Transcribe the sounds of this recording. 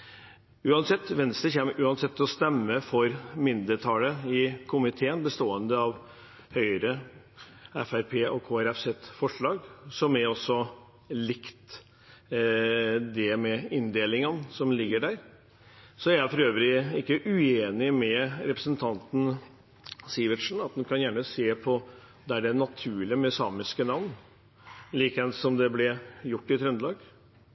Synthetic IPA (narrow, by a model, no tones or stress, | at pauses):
ʉːɑnsɛt̪ːʋɛnst̪əçɛmʔʉːɑnsɛt̪ːɔst̪ɛmːəfɔɾmɪnd̪əʈʰɑːləɪkʰʊmɪt̪ʰeːənbəst̪oːənd̪əɑʋ | hœʏəɾə | ɛfæɾpʰeːʔɔkʰoːæɾɛfsɛt̪fɔʂɭɑːɡsɔmæɾɔsːɔ | lɪkt̪ | d̪ɛmɛɪnd̪eːlɪŋənsɔmlɪɡːəɖæɾ | sɔæææfɔɾøːʋəɾɪɪkːəʔʉeːnɪmɛɾɛpɾəsənt̪ʰɑnt̪n̩ | siːʋəʈʂn̩ɑt̪̚d̪ɛnkʰɑnjæːɳəseːpʰɔ | d̪ɛæɖɛnɑt̪ʰʉːɭɪəmɛsɑːmɪskənɑʋn | liːkəɛnsɔmd̪ɛblɛjʊʈːɪt̪ʰɾʉnd̪lɑːɡ